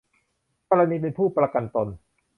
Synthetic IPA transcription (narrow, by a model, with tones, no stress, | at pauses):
kɔ˧ɾa˧niː˧p̬e˧npʰuː˥˩pɾa˧ka˧nt̪o˧n